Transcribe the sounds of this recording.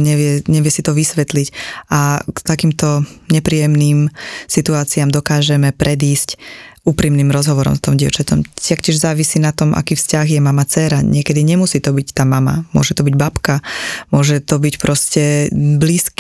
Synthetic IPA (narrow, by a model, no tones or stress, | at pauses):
ɲɛʋɪɛɲɛʋɪɛsit̪ɔʋisʋɛt̪licʔakt̪akiːmt̪ɔɲɛpɾiːjɛmniːmsit̪uaːt͡siamd̪ɔkaːʒɛmɛpɾʔɛd̪iːscuːpɾimniːmɾɔzɦɔʋɔɾɔ̰mst̪ɔmɟɪɛ̰ʊt͡ʃatɔmt̪akcɪɛʒzaːʋisiːnat̪ɔmʔa̰kiːfscaɣjɛmamat͡sɛːɾaɲɪɛkɛd̪iɲɛmusiːt̪ɔbict̪aːmama̰mʊɔ̰ʒɛt̪ɔbiɟbapkamʊɔʒɛt̪ɔbicpɾɔscɛbliːsk